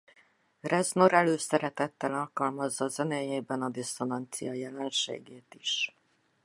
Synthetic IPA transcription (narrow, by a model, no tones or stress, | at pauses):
rɛznoɾɛløːsɛɾɛt̪ɛt̪ːɛlɒlkɒlmɒzːɒzɛneːjeːbɛnɒd̪isonɑnt̪sḭjɒjɛlɛnʃḛːɡeːt̪iʃ